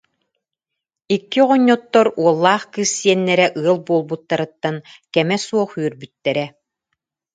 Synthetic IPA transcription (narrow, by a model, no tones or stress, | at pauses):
ikːiʁɔɲːɔt̪ːɔɾuɔlˠːaːχkɯsːiɛnːɛɾɛʔɯɐlˠbuɔlˠbut̪ːaɾɯt̪ːankɛmɛsuɔχyœɾbyt̪ːɛɾɛ